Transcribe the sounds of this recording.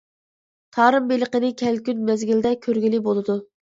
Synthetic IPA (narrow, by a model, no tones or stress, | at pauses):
t̪ʰɑːɾɨmbeləqənɪkʲʰɛlkʲynmɛzɡʲild̪ɛkʲʰøɾɡʲilibolˠɨd̪u